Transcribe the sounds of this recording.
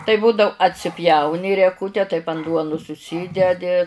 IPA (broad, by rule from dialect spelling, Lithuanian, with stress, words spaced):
tɐɪ ˈbuːdɐʊ ɐtʲsʲɪˈpʲjɛʊnʲɪ rʲiɛˈkʊtʲɛ tɐɪp ɐn ˈduɔnʊs ʊʃʲˈsʲiːdʲɛdʲɪ